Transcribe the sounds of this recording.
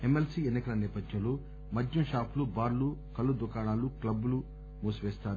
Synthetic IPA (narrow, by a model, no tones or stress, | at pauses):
emelsiːenːikɐlɐnɛːpɐd̪jɐ̃lo̞ː | mɐd̪ʱjɐmʃaːpʰulubaːɾlukɐlːud̪ukaːɽaːluklɐbːulu | muːsʋɛːst̪aːɾu